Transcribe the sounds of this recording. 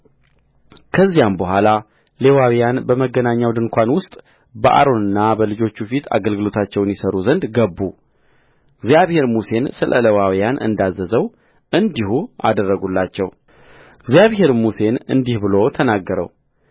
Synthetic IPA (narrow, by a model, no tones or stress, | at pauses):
kʰəzːijambəɦʷala | le̞wawijanbəməɡːənaɲːawd̪ɨŋkʷʰanwʊst̪ʼ | bəʔa̰ɾo̞nɨnːabəlɨd͡ʒo̞t͡ʃːufit̪ʰa̰ɡəlɡɨlo̞t̪ʰat͡ʃːɛwnjɪsəɾuzənd̪ɡəbːu | ɨɡzijaβhe̞ɾmuse̞nsɨlʔə̰ləwawijanʔɨ̰nd̪azːəzəw | ʔɨnd̪ihua̰d̪ərːəɡulːat͡ʃːɛw | ɨɡzijaβhe̞ɾmuse̞nɨ̰nd̪ihbɨlo̞t̪ʰənaɡːəɾə̰w